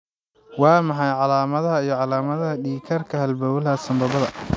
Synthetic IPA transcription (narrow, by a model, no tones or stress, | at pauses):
wɑːmɑħɑjʕɑlaːmɐðɐɦɐijɞʕɑlaːmɐðɐɦɐɖiːkʰɐrkʰɐhɐlbɔwlɐɦɐsɐmbɐβɐðɐ